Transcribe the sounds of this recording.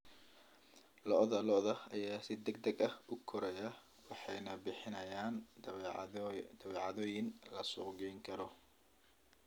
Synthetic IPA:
lɔʔðɐlɔʔðɐɐjaːsɪd̪ɛɡd̪ɐɡɐhʔʊkʰɔɾɐjɐ | wɑħɑjnɐbɪħɪnɐjaːn | d̪̥ɐβɛːʕɑðɔːjɪnlɐsɔːɡɛjŋkʰɐɾɔ

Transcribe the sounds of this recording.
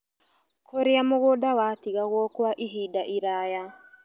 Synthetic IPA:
kʰoɾeamoɣoːdawatiɣaɣwɔkwaʔiɦiːdaʔiɾaːja

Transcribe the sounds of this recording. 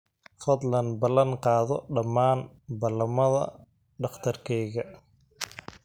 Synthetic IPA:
fɐd̪lɐnbɐlɐnqɑːðɔɖɐmːaːn | bɐlɐmɐðɐ̰ | ɖɑχt̪ʰɐrkʰɛːɣɐ

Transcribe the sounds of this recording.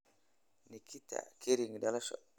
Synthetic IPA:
nikita̰keɾiŋdalaʃɔ̰

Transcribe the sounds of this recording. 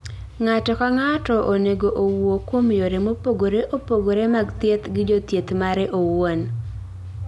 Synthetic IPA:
ŋatɔkaŋatɔʔoneɡoʔowokwomjoɾemopoɡoɾeʔopoɡoɾemaɡt̪jet̪ɡɪd͡ʒot̪jet̪maɾɛʔowon

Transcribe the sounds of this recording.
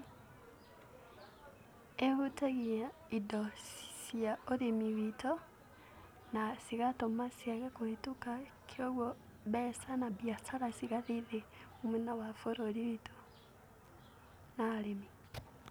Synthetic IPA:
ehutaɣia | idɔsjaoðemiwito | nasiɣatomasjaɣakohitukakʰjoɣwɔ | βɛsanabjasaɾasiɣaðiðeomunawafoɾoɾiwitʰo̥ | naɾemi

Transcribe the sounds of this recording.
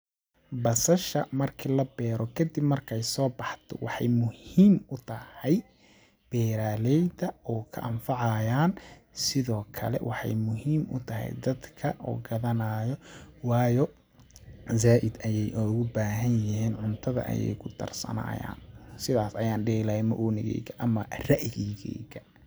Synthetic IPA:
bɐsɐʃɐmɐrkʰilɐbɛːɾɔkʰɐd̪ibmɐrkʰɛjsɔːbɑħt̪ʰɔ̰wɑħɑ̰jmʊhiːmʊt̪ʰɐhɛj | b̥ɛːɾaːlɛjd̪ɐɔːkʰɐ̰ʔɐmfɑʕɑjaːnsɪðɔːkʰɐ̰lɛ̰wʔɑħɑ̰jmʊɦiːmʊ̰t̪ʰɐɦɛ̰jd̪ɐd̪kʰɐʔɔ̰ːɡɐðɐnaːjɔwɑːjɔ | zaːʔɪd̪ɐjɛjʔɔɣʊbaːɦɐnjɪɦiːnʕʊnt̪ʰɐðɐ̰ʔɐ̰jɛ̰jkʰʊd̪ʰɐ̰rsɐ̰na̰ːja̰ːnsɪðaːsɐjaːnɖiːɣlɐɛjmɐʔuːnɪɣɛ̰ːjɡɐʔɐmɐrɐʔɪɣɛɣɛ̰ːɡɐ

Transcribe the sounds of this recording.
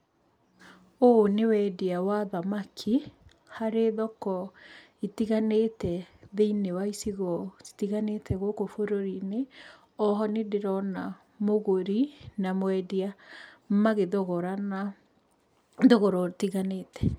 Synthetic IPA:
onewɛdiawaðamakʰi | haɾeðɔkɔ | itiɣanetɛðeinewaisiɣɔ̥tiɣanetʰɛɣokofoɾoɾine | ɔɦɔnedeɾɔna | moɣoɾinamwɛdiamaɣeðoɣɔɾana | ðoɣɔɾɔtiɣaneːtɛ

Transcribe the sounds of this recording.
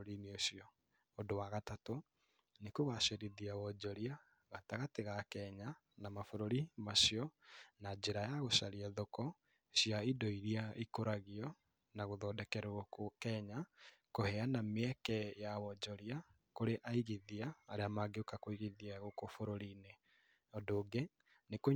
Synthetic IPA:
ɾineoɕiɔ | odowaɣatato | nekoɣaʃeɾiðiawɔd͡ʒɔɾia | ɣataɣateɣakɛɲa | namafoɾoɾimaʃiɔnad͡ʑeɾajaɣoʃaɾiaðokɔ | ɕiaidɔiɾiaikoɾaɣiɔ | naɣoðɔdɛkɛɾoɣokokɛɲakohɛanameɛkɛjawɔd͡ʒɔɾia | koɾeʔaiɣiðiaːɾeamaɡeokakoiɣiðiaɣokofoɾoɾine | ɔdoːɡe | neko

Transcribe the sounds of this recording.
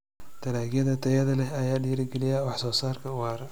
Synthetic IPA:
t̪ʰɐlaːɣjɐðɐt̪ʰɐjɐðɐlɛɐjaːɖiːɾɪɡɛlɪjɐwɑħsɔːsaːrkʰɐwaːɾ

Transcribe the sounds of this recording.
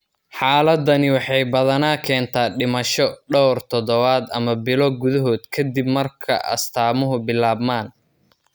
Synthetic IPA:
ħɑːlɐd̪ɐnɪwɑħɑjbɐðɐnaːkʰɛːnt̪ʰaːɖɪmɐʃɔɖɔwrt̪ʰɔd̪ɔβaːd̪ɐmɐbɪlɔɡʊðɐɦɔːd̪kʰɐd̪ibmɐrkʰɐ̰ʔɐ̰st̪ʰaːmʊɦʊbɪlaːbmaːn

